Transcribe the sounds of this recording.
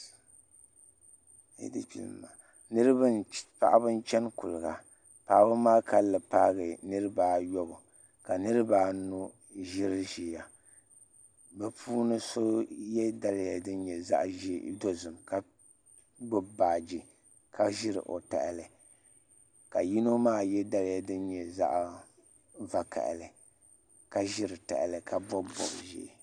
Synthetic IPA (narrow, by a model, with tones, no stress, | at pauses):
ḭ˨˦dɨ̰˦pḭ˨l̰ma˨ | nɨ˦ɾɨ˦ba˦npa̰˨ʔa˦bɨ˦n˦t͡ʃɛ˦nku˨lɨ˨ɡa˨ | paː˨˦bɨ˦maː˦ka˦lːɨ˨paː˦ɣɨ˨nɨ˦ɾɨ˦baː˦jo˦bʊ˨ | ka˨nɨ˦ɾɨ˦baː˦nu˦ | ʒɪ˦ɾɨ˦ʒi˨ja˨ | ba˨pʰuː˦nɨ˦so˦jɛ˦da˦lja˨dɨ˦n˦ɲɛ˨za̰˦ʔʒi˦do˦zɨ˨mka˦ | ɡ͡bʊ˦baː˨d͡ʒi˨ | kʰa˦ʒɪ˦ɾɨ̰˨ʔo̰˨ta̰˨ʔlɨ˨ | ka˨ji˦no˦maː˦˨jɛ˦da˦lja˨dɨ˦nɲɛ˨za̰˦ʔ | va˨ka̰˨ʔlɨ˨ | ka˦ʒɪ˦ɾɨ˨ta̰˨ʔɪ̰˨lɨ˨ka˦˨bɔ˦bɔ̰˦˨ʔʒḭ˨